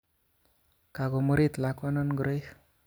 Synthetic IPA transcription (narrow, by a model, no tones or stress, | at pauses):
kaɡoməɾit̪lakwanʌnɡɾʌj